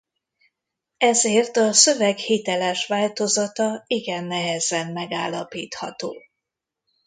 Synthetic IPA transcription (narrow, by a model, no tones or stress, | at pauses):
ɛzeːrt̪ɒsø̞vɛɡhit̪ɛlɛʃʋaːlt̪o̞zɒt̪ɒiɡɛnːɛɦɛzɛnmɛɡaːlːɒpiːt̪hɒt̪oː